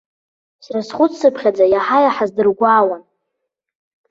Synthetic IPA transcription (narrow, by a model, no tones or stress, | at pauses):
srasχʷʊt͡ssɨpʰχʲad͡zajaħajaħazdɨrɡʷaːwan